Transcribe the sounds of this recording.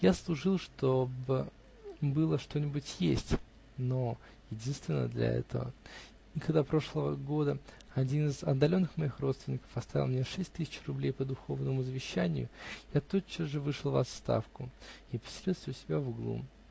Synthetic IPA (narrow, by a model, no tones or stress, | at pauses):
jaslˠʊʐɨlˠʂt̪o̞bɨ | bɨlˠəʂt̪o̞nʲɪbʊtʲjesʲtʲ | no̞ | jɪdʲinst̪vʲɪnːə̰d̪lʲɐ̰ɛ̰t̪əvə̰ | ikɐɡd̪apɾo̞ʂlˠəvəɡo̞d̪ə | ɐdʲinɨzɐd̪ːɐlʲo̞nːɨxmɐixro̞t̪st̪vɪnʲːɪkə̥fɐst̪avʲɪ̰lˠmnʲeʂɛsʲt̚ʲt̪ɨsʲɪ̥t͡ɕrʊblʲejpəd̪ʊxo̞vnəmʊzəvʲɪɕːænʲɪ̰jʊ̰jat̪o̞t͡ɕːəʐɨvɨʂɨlˠvɐ̰t̪st̪a̰fkʊ | ipə̥sʲɪlʲilsʲvʊsʲɪbʲavuɡlˠṵ